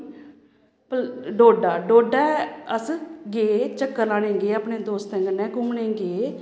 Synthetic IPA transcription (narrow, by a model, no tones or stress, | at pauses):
pɖoːɖaːɖoːɖɛːəsɡeːt͡ʃəkːəɾlaːnẽːɡeːaːpɳẽːd̪oːst̪ẽːŋɡənːɛ̃ːkʊmɳẽːɡeː